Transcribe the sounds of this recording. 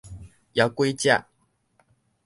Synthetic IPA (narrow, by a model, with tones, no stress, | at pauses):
ja˨˦kwe˥˦ɪt͡ɕja̰˥˨